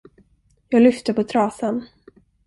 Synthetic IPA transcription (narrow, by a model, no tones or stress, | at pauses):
jɑːɡlʏft̪əpʰɔt̪ʰɾɑːsən